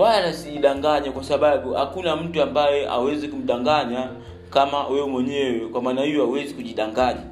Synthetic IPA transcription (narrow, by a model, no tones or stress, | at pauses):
walanasiʄiɗaŋɡaɲakwasaɓaɓuha̰kunam̩tuambajɛa̰wɛzikum̩ɗaŋɡaɲa | kamawɛɛmwɛɲɛwɛkwamaːnahijɔawɛzikuʄiɗaŋɡaɲa